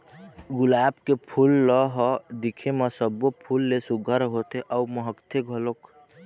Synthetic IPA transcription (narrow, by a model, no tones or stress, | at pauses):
ɡʊlaːbkepʰulːɔɦɔd̪ikʰeməsəbːopʰulːesuɡʱəɾɦot̪eʔəuməɦəkt̪ʰeɡʱəlok